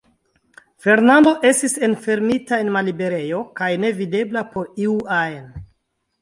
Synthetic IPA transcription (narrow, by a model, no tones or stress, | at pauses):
fe̞ɾnando̞ʔe̞stise̞nfe̞ɾmitae̞nmalibe̞ɾe̞jo̞kajne̞vide̞blapo̞ɾiuaen